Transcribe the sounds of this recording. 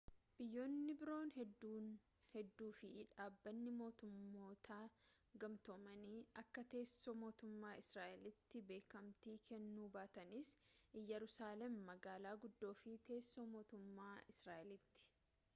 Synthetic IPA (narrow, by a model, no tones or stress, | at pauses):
b̥ɪjːo̞ːnːɪbɪɾo̞ːnɦɛd̪ːuːn | hɛd̪ːuːfɪᶑaːbːɐnːɪmo̞ːt̪ʊmːo̞ːt̪ʰaː | ɡɐmt̪omɐniɐkːɐt̪e̞ːsːomo̞ːt̪ʊmːaːɪsɾaːʔɛlɪt̪ːɪbe̞ːkɐmt̪iːkʰɛnːuːbaːt̪ɐnɪsjɛɾʊsaːlɛmːɐɡaːlaːɡʊd̪ːo̞ːfɪt̪e̞ːsːoːmo̞ːt̪ʊmːaːɪsɾaːʔɪlɪt̪ːɪ̥